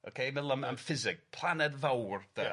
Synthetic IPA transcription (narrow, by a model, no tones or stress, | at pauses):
o̰kʰejməlˠəmanfɪzɪɡ̥̚pʰl̥ˠanɛdvawrd̥ə